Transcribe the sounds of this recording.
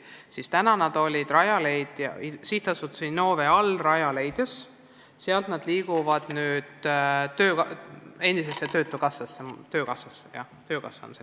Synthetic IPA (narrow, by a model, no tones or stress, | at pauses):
sist̪ænɑnɑd̪̥o̞lʲid̪̥rɑjɑle̞jd̪̥jɑ̰isiht̪ɑsut̪ːˑu̥sinno̞ːve̞ɑlrɑjɑle̞jd̪̥jɑs | seɑlt̪nɑd̪̥liːɡ̥uvɑd̪̥nyːd̪̥t̪ø̞ːke̞nd̪isesːet̪ø̞ːt̪ːˑukɑsːɑsːet̪ø̞ːkɑsːɑsːejɑ̰ | t̪ø̞ːkɑ̰sːɑ̰nse